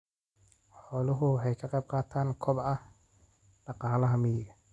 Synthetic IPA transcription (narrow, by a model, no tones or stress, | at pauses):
ħɔːlʊɦʊħɛjkʰɐqɛjb̚qɑːt̪ʰaːnkʰɔbɐh | ɖ̥ɑqɑːlɐɦɐmɪjɪɡɐ